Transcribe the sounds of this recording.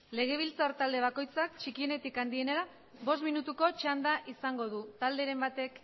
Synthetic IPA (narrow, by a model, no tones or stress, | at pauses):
le̞ɣ̞e̞β̞ilt͡saɾt̪ald̪e̞β̞ako̞jt͡sakt͡ʃikie̞ne̞t̪ikand̪ie̞neɾa | βo̞s̬t̪minut̪uko̞t͡ʃand̪aʔisaŋɡo̞ð̞ut̪ald̪e̞ɾe̞mbat̪e̞k